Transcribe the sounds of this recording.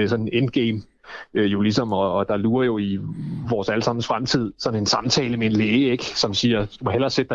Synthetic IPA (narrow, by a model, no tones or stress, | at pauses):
sɒ̽nend̥̚ɡ̥eːm | øjo̝lisɒ̽mɒ̽ːd̥ɑ̈luːɐjo̝iʋɒːsæləsɑ̈m̰n̩sfʁamt͡sʰið̞̰ˠsɒ̽ne̝nsɑ̈mt͡sʰɛ̰ːləmeenleːeɡ̥sɒ̽msiːɐd̥umohel̰ɐsed̥ɑ̈